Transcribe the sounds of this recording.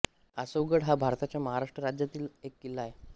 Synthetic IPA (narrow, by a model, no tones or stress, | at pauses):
əsəwɡəɽɦabʱaɾt̪at͡ɕjaməɦaɾaʂʈɾəɾad͡ʑjat̪iːlekːilaɦe